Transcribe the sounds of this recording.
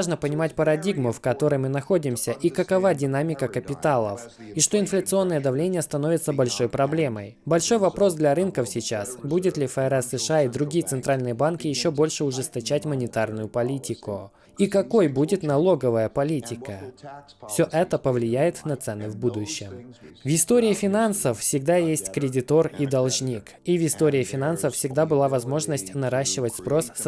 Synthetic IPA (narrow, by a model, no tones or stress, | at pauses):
ʐnəpənʲɪmatʲpəɾɐdʲiɡmʊfkɐt̪o̞ɾɨjmɨnɐxo̞dʲɪmsʲəʔikəkɐvadʲɪnamʲɪkəkəpʲɪt̪alˠə̰fiʂt̪o̞ɪnflʲət̪sɨo̞nːɨjəd̪ɐvlʲenʲɪjəst̪ɐno̞vʲɪt̪səbɐlʲʂo̞jpɾɐblʲe̞məjbɐlʲʂo̞jvɐpɾo̞sd̪lʲɐɾɨnkəfsʲɪt͡ɕasbudʲɪt̪lʲɪfəɛɾɛsːɨʂɨaid̪ɾʊɡʲijət̪sɨnt̪ɾalʲnɨjəbankʲɪjɪɕːo̞bo̞lʲʂɨʊʐɨst̪ɐt͡ɕætʲmənʲɪt̪arnʊjʊpɐlʲitʲɪkʊ | ikɐko̞jbudʲɪt̪nɐlˠo̞ɡəvəjəpɐlʲitʲɪkə | fsʲo̞ʔɛt̪əpəvlʲɪjæjɪt̪nɐt̪sɛnɨvbud̪ʊɕːɪmvɪst̪o̞ɾʲɪːfʲɪnansəffsʲɪɡ̚d̪ajesʲtʲkɾʲɪdʲɪt̪o̞rid̪ɐlˠʐnʲik | ivɪst̪o̞ɾʲɪːfʲɪnansəffsʲɪɡ̚d̪abɨlˠavɐzmo̞ʐnəsʲtʲnɐɾaɕːɪvətʲspɾo̞s